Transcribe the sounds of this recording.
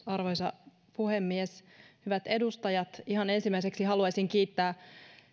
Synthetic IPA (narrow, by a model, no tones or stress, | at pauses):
ɑrʋojsɑ | puhemːieshyʋæt̪e̞dust̪ɑjɑt̪iɦɑne̞nsimːæise̞ksiɦɑluɑsʲiŋkiːt̪ːæː